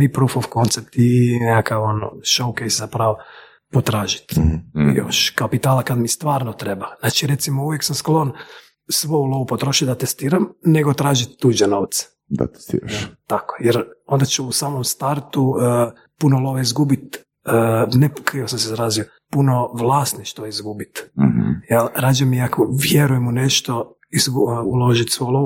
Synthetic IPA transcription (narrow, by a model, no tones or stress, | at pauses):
ipɾufoʋko̞nt̪sep̚t̪inekakaʋono̰ʃowkejszapɾaʋo | pot̪ɾaːʒi̥t̪jo̰ʃkapit̪aːlakad̪mist̪ʋaːɾnot̪ɾebaznaːt͡ʃiɾe̞t̪simouʋjeksamsklo̞n | sʋo̞julˠoʋupot̪ɾoʃit̪d̪at̪est̪iːɾamne̞ɡot̪ɾaːʒit̪ːud͡ʒɛno̞ʋt̪se̥ | d̪a̰t̪e̥st̪ḭːɾaʃt̪akojeɾo̞nd̪at͡ʃuusaːmomst̪aɾt̪u | punolˠoʋeizɡubit̪ | ənekɾiosamsezaɾaːzijo | puno̞ʋlˠaːsniʃt̪oizɡubit̪̩jalɾaːd͡ʒamiakʰoʋjeɾujemuneʃt̪o̞ | izɡuulˠo̞ʒit̪sʋojulˠoʋu